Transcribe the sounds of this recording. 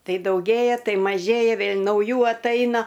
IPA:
ˈtɐɪ dɐʊˈɡʲeːjɛ ˈtɐɪ mɐˈʒʲeːjɛ ˈʋʲeːlʲ nɐʊˈjuː ɐtˈɐɪnɐ

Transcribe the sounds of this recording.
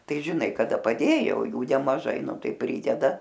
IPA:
ˈtɐɪ ʒʲɪˈnɐɪ kɐˈdɐ pɐˈdʲeːjoː oː ˈjuː nʲɛmɐˈʒɐɪ ˈnʊ ˈtɐɪ ˈpʲrʲiːdʲɛdɐ

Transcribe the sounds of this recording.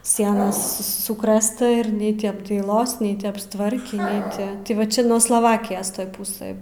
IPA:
ˈsʲiɛnɐs sʊ ˈsʊkrɘstɐ ɪr ˈnʲɛɪ tʲɪ ɐbdɐɪˈlˠoːs ˈnʲɛɪ tʲɪ ɐpstˈʋɐrʲkʲiː ˈnʲɛɪ tʲɪ tʲɪ ˈʋɐ ˈt͡ʃʲɛ nuɔ slˠɐˈʋɑːkʲɪjoːs ˈtoːj ˈpʊsɘj

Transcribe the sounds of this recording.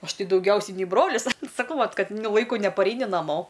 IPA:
ˈɐʃ ˈtɐɪ dɐʊˈɡʲɛʊsʲɛɪ nʲɛɪ ˈbroːlʲɪs sɐˈkɐʊ ˈʋɐt ˈkɐt nʊ ˈlˠɐɪkʊ nʲɛpɐˈrʲɛɪnʲɪ nɐˈmoː

